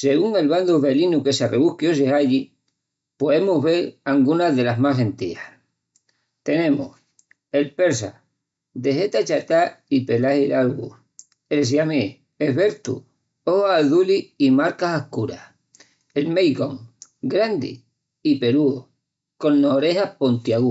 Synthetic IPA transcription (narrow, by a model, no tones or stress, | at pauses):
se̞ɣuŋe̞lβand̪uβe̞linuke̞sareβuhkjos̬eaʎi | poðemuɦβe̞ɾaŋɡunaðe̞laɦmasent̪iah | t̪e̞nẽ̞muh | e̞lpe̞ɾs̬a̰ | d̪e̞ɦe̞t̪at͡ʃat̪aipe̞lahilalɣu | els̬ame | eβe̞ɾt̪ṵ | ohaːðuliimaɾkasahkuɾa̰h | elmejɣoŋ | ɡɾand̪ḭ | ipe̞ɾuo | ko̞nːoɾe̞ɦahpo̞nt̪jaɣu